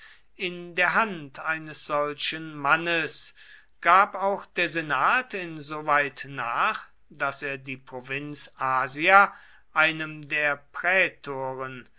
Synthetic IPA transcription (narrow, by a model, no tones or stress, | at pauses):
ʔɪndeːɐɦantʰaɪnəsz̥ɔlʃənmanəs | ɡ̥aːpaʊxd̥eːɐzenaːtʰɪnzoːvaɪtnaːχ | d̥aseːɐdiːpʁ̥ovɪnt͡sʔaːzia | ʔaɪnəmdeːɐpʁ̥ɛːtʰoːʁən